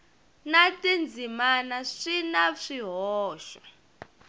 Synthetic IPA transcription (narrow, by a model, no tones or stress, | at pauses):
natʼind͡zʱimanaʂinaʂiɦɔːʃa